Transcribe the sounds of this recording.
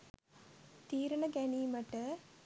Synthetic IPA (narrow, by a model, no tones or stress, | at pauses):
t̪iːɾɐɳɐɡɛniːmɐʈə